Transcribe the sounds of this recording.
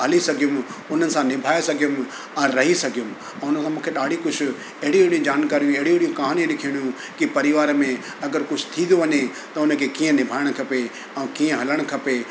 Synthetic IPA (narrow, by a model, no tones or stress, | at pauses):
ɦɐlisɐɡʱijʊmʊn̤ənɪ̆sãnɪbʱaːesɐɡʱijʊm | ɛ̃ːɾɐɦisɐɡʱijʊm | ɛ̃ːʊnəsãmũːkʰeɗaːɽ̤ikʊd͡ʑʰʊ̆ | ɐɦɪɽiɽijũd͡ʑaːnkaːɾijũeɦɪɽiɦɽijũkaɦanĩnɪkʰiɽ̃jũ | kipɐɾɪʋaːɾmẽ | ɐɡəɾkʊd͡ʑʰʊ̥t̪ʰĩːd̪oʋɐɲe | t̪ɐʊnə̆kʰekiːə̃nɪbʱaːɪɽ̃kʰɐpe | ɛ̃ːkiːə̃ɦɐləɽ̃kʰɐpe